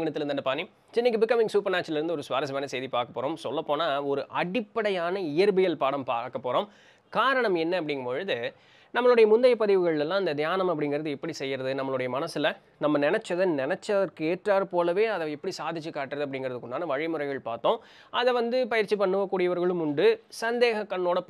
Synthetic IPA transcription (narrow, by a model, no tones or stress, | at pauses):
ɡɐɳɐt̪ːɪɾɯndɐnɖɯpaːnːi | t͡ʃɪnːɪkːɯbɪkːɐmɪ̃ŋsuːpɐɾnaːt͡ʃːɪlɐɪɾɯnd̪ɯɔɾɯsʋaːɾɐs̬ɐmɐːnɐseːðipaːɾkɐpːoːɾõːmsɔlːɐpːoːnaːɔɾɯʔɐɽɪpːɐɽɐjaːnɐɪjɐɾbɪjɐlpaːɽɐmpaːkɐpːoːɾoːm | kaːɾɐɳɐmɛnːɐɐpːɐɽɪŋɡɐpoɻɯðɯ | nɐmːɐɭɯɽɐjɐmʊnd̪ɐjɐpːɐðɪʋɯɣɐɭlɛlːãːɪnd̪ɐd̪jaːnɐmɐp̬ːɐɽɪŋɡɪɾɐðɯɛpːɐɽisɛjːɪɾɐðɯnɐmːɐɭɯɽɐjɐmɐnɐsɪlɐ | nɐmːɐnɪnɛt͡ʃːɐðɐnɪnɛt͡ʃːɐðɐɾkɯeːʈraːɾpoːlɐʋeːɐðɐɪpːɐɽisaːðɪt͡ʃːɯkːaːʈːɪɾɐðɯɐpːɐɽɪŋɡɪɾɐðɯkːʊɳːaːnɐʋɐɻɪmʊɾɐɪɣɐɭpaːɾt̪õː | ɐðɐʋɐnd̪ɯpɐjɪɾt͡ʃːipɐɳːɯʋɐkːuːɽɪjɐʋɐɾɣɐɭɯmʊɳɖɯsɐnd̪eːɣɐkːɐɳːoːɽɐ